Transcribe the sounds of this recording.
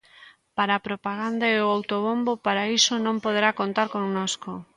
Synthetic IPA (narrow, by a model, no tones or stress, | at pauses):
paɾaːpɾopaɣ̞and̪aeoawt̪oβombopaɾaisonõmpoð̞eɾakont̪aɾkoŋnosko